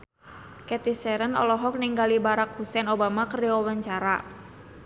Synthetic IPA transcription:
kɛt̪isɛɾənɔ̰lɔɦɔk̚niŋɡalibaɾak̚husɛnobamakəriɔwaɲt͡ʃaɾa

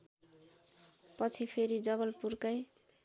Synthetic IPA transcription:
pʌt͡sʰipʰeɾid͡zʌβʌlpurkʌj

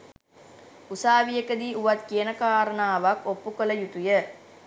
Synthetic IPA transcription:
usaːʋijəkəd̪iːʔuʋat̪kijənəkaːɾənaːʋakopːukələjut̪ujə

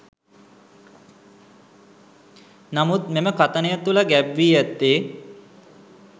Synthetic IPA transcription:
namut̪meməkat̪ənəjat̪ulaɡæbʋiːæt̪ːeː

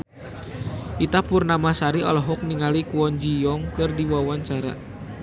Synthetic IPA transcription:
ʔit̪apurnamasaɾiɔlɔɦɔk̚niŋalikuɔnd͡ʒijɔŋkɨrdiwawaɲt͡ʃaɾa̰

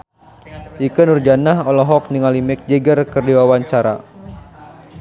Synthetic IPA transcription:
ʔikənurd͡ʒanaɦɔlɔɦɔk̚niŋalimɛk̚d͡ʒɛɡərkərdiwawaɲt͡ʃaɾa̰

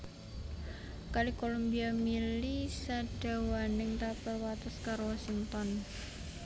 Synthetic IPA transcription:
kalikolombiamilisad̥a̤wanɪŋt̪apərwat̪əskaɾowasiŋt̪ɔn

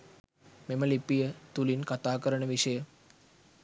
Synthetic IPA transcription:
meməlipijət̪ulinkat̪aːkəɾəɳəʋiʂəjə

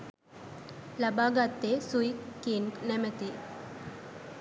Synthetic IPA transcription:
lɐbaːɡat̪ːesujkːinʈnemɐt̪i

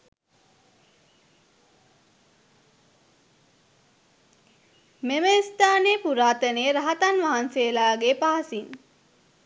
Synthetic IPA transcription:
meməist̪aːneːpuɾaːt̪əneɾaɦat̪anʋaɦanseːlaːɡepaɦasin

